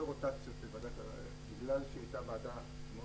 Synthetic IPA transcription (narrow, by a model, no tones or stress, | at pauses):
ʁot̪at͡sjot̪bevad̪aka̰ | biɡlalʃeat̪abad̪a | mo